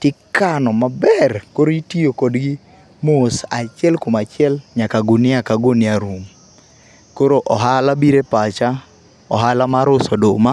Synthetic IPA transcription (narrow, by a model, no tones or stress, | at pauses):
tɪkanɔmabɛrkoɾoitiokodɡi | mosat͡ʃɪɛlkomat͡ʃɪɛlɲakaɡonɪakaɡonɪaɾum | koɾoʔɔɦalabiɾepat͡ʃa | ɔɦalamaɾʊsɔdoma